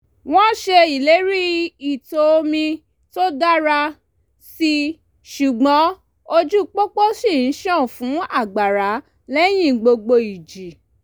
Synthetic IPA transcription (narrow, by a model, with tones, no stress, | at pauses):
w̃ɔ̃˦ʃe˧i˨le˨˦ɾi˦i˨to˨o˧mĩ˧ | to˦da˦ɾa˧ | si˧ | ʃu˨ɡ͡bɔ̃˨˦ | o˧d͡ʒu˦k͡pɔ˦k͡pɔ˦si˦˨n̩˨˦ʃɔ̃˦˨fũ˨˦a˦˨ɡ͡ba˨ɾa˨˦ | lɛ˦j̃ĩ˦˨ɡ͡bo˧ɡ͡bo˧i˨d͡ʒi˨